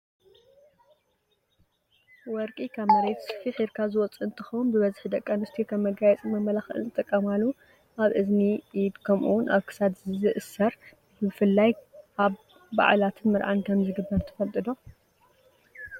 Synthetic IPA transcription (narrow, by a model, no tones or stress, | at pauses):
wɔɾkʼikʰaβmɐɾet̪sfiħiɾkʰazɨwɔt͡sʼuɨnt̪ʰɐ̥xɐwnbɨβɐzħd̪ɐkʼːɐnɨst̪ʰijkʰɐmmːɐɡajɛt͡sʼimɐmːɐlaxɨ̰nzɨt̪ʼɨkʼːɐmalːu | ʔaβʔɨzniʔid̪kʰɐmʔṵwnʔaβkʰɨ̥sad̪zɨzɨʔɨsːɐɾ | bɨfɨlːajaβː | a̰ʕlat̪ʰɨnmɨɾʕankʰɐmzɨɡɨbːɐɾt̪ʰɐ̥fɐlt̪ʼɨd̪o̞